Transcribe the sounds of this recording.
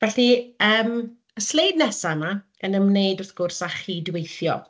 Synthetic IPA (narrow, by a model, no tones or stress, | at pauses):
vɛɬiəːm | əslejdnɛsama | ənəmnejdɔrθɡ̥ʊrsaχiːdwejθjɔ̰